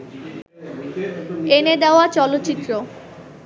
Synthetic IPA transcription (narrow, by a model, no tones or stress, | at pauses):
ened̪eoat͡ɕɔlot̪ːɕit̪ːɾo